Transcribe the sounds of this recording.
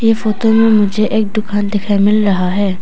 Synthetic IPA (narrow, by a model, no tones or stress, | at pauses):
jefoːt̪omẽmʊd͡ʒʱeʔeːk̚d̪ʊkaːnd̪ɪkʰaːimɪlɾɐɦaɦɛː